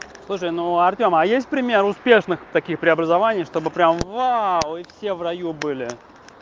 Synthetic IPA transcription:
slˠuʂ̬əjnuɐrtʲomɐjesʲt̚ʲpɾʲɪmʲeɾʊspʲe̞ʂnɨxt̪ɐkʲixpɾʲɪɐbɾəzɐvanʲɪjʂt̪o̞bɨpɾʲamvawifsʲe̞vrɐjubɨlʲɪ

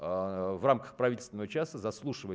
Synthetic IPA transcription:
vramkə̥xpɾɐvʲit̪ʲlʲst̪vʲnəvət͡ɕasəzɐslˠuʂɨvə

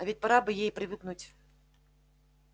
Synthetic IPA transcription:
ɐvʲitʲpɐɾabɨjejpɾʲɪvɨknutʲ

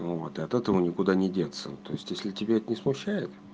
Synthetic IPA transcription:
vot̪ɨɐt̪ɛt̪əvənʲɪkʊd̪anʲɪdʲet̪sːə̰t̪o̞ɪsʲtʲjesʲlʲɪtʲɪbʲeɛt̪ənʲɪsmʊɕːæjɪt̪

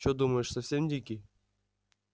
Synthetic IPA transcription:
t͡ɕod̪uməʂsɐfsʲemʲd̪ʲikʲi

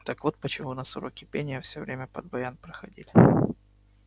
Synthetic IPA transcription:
t̪akvot̪̚pət͡ɕɪmunɐsʊɾokʲɪpʲenʲɪjəfsʲovɾʲemʲəpəd̪̚bɐjanpɾəxɐdʲilʲɪ

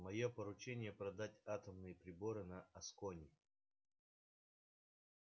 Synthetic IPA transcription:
mɐjopəɾʊt͡ɕenʲɪjəpɾɐd̪atʲat̪əmnɨjəpɾʲɪbo̞ɾɨnɐɐskonʲɪ

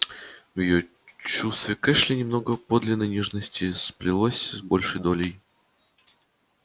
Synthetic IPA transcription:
vjɪjo | t͡ɕust̪vʲɪkɛʂlʲɪnʲɪmno̞ɡəpod̪lʲɪnːəjnʲɛʐnəsʲtʲɪsplʲɪlˠosʲbo̞lʲʂəjd̪o̞lʲɪj

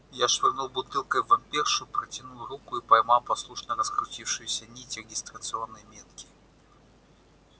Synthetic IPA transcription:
jaʂvʲɪrnulˠbʊt̪ɨlˠkəjvɐmʲpʲerʂʊpɾətʲɪnuɾukʊipɐjmɑlˠpɐslˠuʂnərəskɾʊtʲifʂɨjʊsʲɐnʲitʲɪɾʲɪɡʲɪst̪ɾət̪sɨo̞nːɨjmʲet̪̚kʲɪ̥

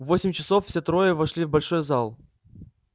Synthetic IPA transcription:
vosʲɪmʲt͡ɕɪso̞ffsʲet̪ɾo̞jəvɐʂlʲivbɐlʲʂojzalˠ

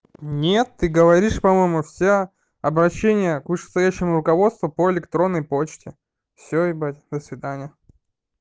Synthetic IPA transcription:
nʲet̪ːɨɡəvɐɾʲiʂpɐmo̞jmʊfsʲe | ɐbɾɐɕːenʲɪjəkvɨʂɨ̥st̪ɐjæɕːɪmʊɾʊkɐvo̞t̪st̪vʊpoɪlʲɪkt̪ɾo̞nːəjpo̞t͡ɕtʲɪ | fsʲoibatʲd̪əsvʲɪd̪anʲɪjə

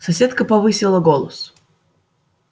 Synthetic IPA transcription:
sɐsʲet̪kəpɐvɨsʲɪlˠəɡolˠəs

